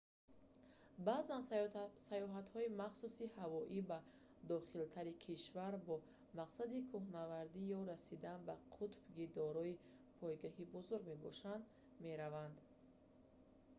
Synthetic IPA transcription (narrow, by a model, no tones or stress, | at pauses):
baːzansajɔɦat̪hɔimaχsusihavɔʔiba | d̪ɔχilt̪ʰaɾikʰiʃvaɾbɔ | maqsad̪ikʰuhnavaɾd̪ijɔɾasid̪anbaqʰut̪bɡid̪ɔɾɔi | pʰɔjɡaɦibuzuɾɡme̞bɔ̰ʃand̪ | me̞ɾavand̪